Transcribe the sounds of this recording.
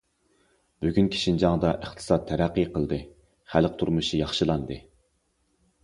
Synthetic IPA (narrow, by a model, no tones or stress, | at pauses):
b̥yɡʲynkʲʰi̥ʃind͡ʒɑŋd̪ɑʔəχt̪ʰɨ̥sɑt̪ʰːɛɾæqːijqʰəlˠd̪ɨ | χælq̚t̪ʰuɾmuʃijɑχʃɨlˠɑnd̪ɨ